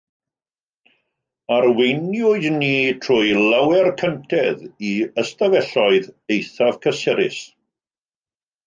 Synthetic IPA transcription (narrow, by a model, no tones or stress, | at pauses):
aɾwejnjʊɨðniːtʰrʊjlawɛrkʰəntʰɛðiəstavɛɬɔɨðejθav̥kʰəsɛɾɪ̰s